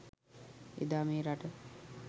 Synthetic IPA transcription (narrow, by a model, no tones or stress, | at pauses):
ḛd̪aːmeːɾaʈə